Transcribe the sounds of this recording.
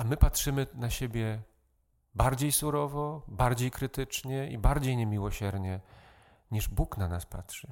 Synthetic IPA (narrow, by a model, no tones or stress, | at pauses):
amɘpatʂɘmɘnaɕebʲjɛ | baɾd͡ʑejsuɾɔvɔbaɾd͡ʑejkɾɘt̪ɘt͡ʂɲɛḭbaɾd͡ʑejɲemʲiwɔɕɛɾɲɛ | ɲiʐbuknanaspa̰tʂɘ